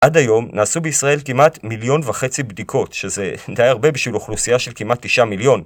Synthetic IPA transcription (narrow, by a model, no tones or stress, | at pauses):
ʔadajo̞mnaːsubeisʁae̞lkimatmiljo̞nvaχe̞t͡sibdikʰo̞tʃeze̞dajaʁbe̞biʃviluχlusijaʃe̞lkimat̪ːiʃamiljo̞n